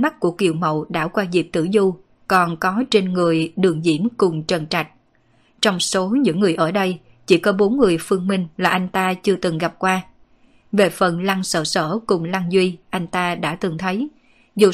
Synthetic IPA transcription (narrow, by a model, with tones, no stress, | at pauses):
ma˦˥k̚ku˧˩əkḭ˧˨əwmə̰˧˨wɗa̰ː˧˥kwaː˧zi˨˩p̚t̪ɨ̰˧˩zu˧ | kɔ˨˩nkɔ˨˦t͡ɕe˧nŋɨ˨˩əjɗɨ˨˩əŋzḭ˧˩əmkʊ˨˩ŋ͡mt͡ɕə˨˩nt͡ɕa˨˩jk̟̚ | t͡ɕɔ˧wŋ͡mso˨˦ɲɨ̰˧˥ŋːɨ˨˩əjʔəː˧˩ɗə˧j | t͡ɕḭ˧˩kɔ˨˦ɓo˨˦nŋɨ˨˩əjfɨ˧əŋmï˧ŋ̟laː˨˩ʔa˧jŋ̟t̪aː˧t͡ɕɨ˧ət̪ɨ˨˩ŋɣa˨˩p̚kwaː˧ | ve˨˩fə˨˩nla˧ŋsəː˧˩səː˧˩kʊ˨˩ŋ͡mla˧ŋzwi˧ʔa˧jŋ̟t̪aː˧ɗa̰ː˧˥t̪ɨ˨˩ŋt̪ʰə˨˦j | zu˨˩